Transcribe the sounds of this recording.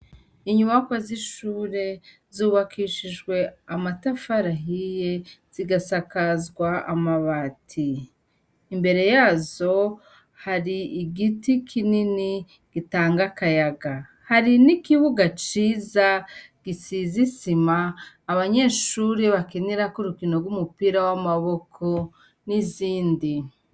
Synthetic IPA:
iɲumakwaziʃuːɾe̞ | zuːβakiʃiʒɡwe̞amatafaɾaɦije̞z̥iɡasakazɡwaa̰maβatʰiː | mbe̞ɾe̞jaːzo̞ | haɾiːɡitikʰinini | ɡ̥itaːŋɡakajaɡa | haɾinikiβuɡat͡ʃiːzaɡ̥isizisimaː | βaɲe̞ːʃuːɾeβakeneɾakuɾukino̞ɡumupiɾawamaβo̞kʰo̞ | niziːndi

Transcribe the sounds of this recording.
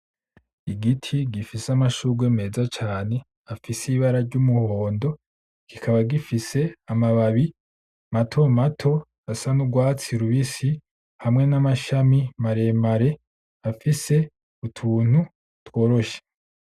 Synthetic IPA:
iɡitʰiɡifisamaʃuɡweme̞ːzat͡ʃaːne̞ | afisiβaɾaɾɟumuho̞ːndo̞ | kikʰaβaɡifise̞amaβaβi | matʰo̞matʰo̞ | asanuɡwaːt͡siɾuβisi | hamŋe̞namaʃamimaɾe̞maɾe̞ | afise̞ | utʰuːn̥hu | two̞ːɾo̞ʃe̥

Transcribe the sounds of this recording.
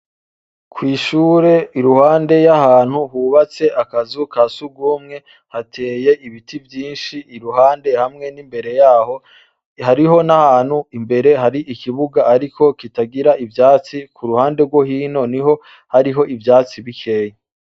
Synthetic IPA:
kwiːʃuːɾe̞iɾuhaːnde̞jahaːn̥huɦuβat͡se̞ʔakazukasuɡuːmŋe̞ | hatʰe̞ːje̞ʔiβitivjiːnʃiːɾuɦaːnde̞hamŋe̞nimbe̞ɾe̞jaːho̞ | haɾiɦo̞nahaːn̥huimbe̞ɾe̞ɦaɾiʔikiβuɡaːɾikʰo̞kitaɡiɾaʔivjaːt͡sikuɾuhaːnde̞ɡwo̞hiːno̞niɦo̞ | haɾiɦo̞ʔivjaːt͡siβikʰe̞ːje

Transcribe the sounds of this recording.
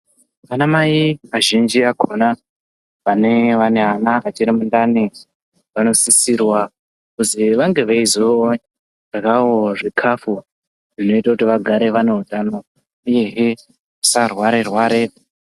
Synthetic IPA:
ʋanamaiaʒind͡ʒiakʰona | ʋaneʋaneɦanaat͡ʃiɾimundani | ʋano̞sisirwa | kuziʋaŋɡe̞ʋaizo | rakawoʐikʰafu | ʐino̞itakutiʋaɡʱaɾe̞ʋaneɦutano̞ | uje̞ɦe | usarwaɾerwaːɾe

